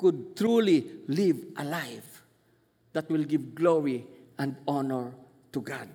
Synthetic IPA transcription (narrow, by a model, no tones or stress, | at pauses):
kud̚tɹulilivʔalajf | d̪atwilɡivɡloɹi | ãndɔnəɹ | tuɡad̚